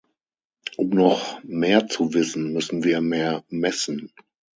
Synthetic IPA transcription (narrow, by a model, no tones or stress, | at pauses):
ʔʊmnɔχmeːɐt͡suvɪsn̩mʏsn̩viːɐmeːɐmɛsn̩